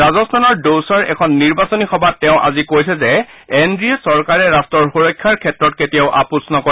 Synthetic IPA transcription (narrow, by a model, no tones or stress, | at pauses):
azɔstʰanɔɹdowsɔɹɛ̰kʰɔnːiɹbasonixɔbatːɛʊ̃ʔa̰zikojsɛzɛ | endɹiɛsɔɹkaɹɛɹastɔɹxoɹɔjkʰːaɹkʰɛtɹɔt̚ketijaʊʔa̰pusnɔko